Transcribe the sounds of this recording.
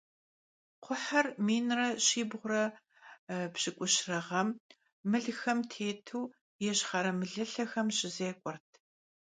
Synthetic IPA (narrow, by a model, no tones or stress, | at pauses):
qʷʰʊħɐrmiːnrɐɕiːbʁʷʊrɐ | pɕɪkʷʼʊɕrɐʁɐmː | ɨɮxɐmtʰeːtʰuː | jɛɕχɐɾɐmɨɮɨɬɐxɐmɕɪzeːkʷʼɔrtʰ